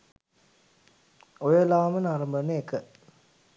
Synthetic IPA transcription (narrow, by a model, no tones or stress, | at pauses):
ojəlaʋɐmənaːɾɐmbəneekːə